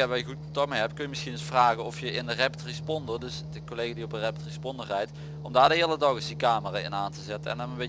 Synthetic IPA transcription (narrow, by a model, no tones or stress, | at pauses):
aʋaːljəɣutkontɑk̚mejɦɛpkɵnjəmɪsxinɪsfraːɣənɔfjəɪndəreptrispɔndərdɵsdəkolejɣadiɔp̚dərɛptrispɔndərɛjt | ɔmdaːɹdəɦɪːlˠədɑɣɪsdikaːməraːɪ̰naːntəzɛtənɛ̰ndɔnəbe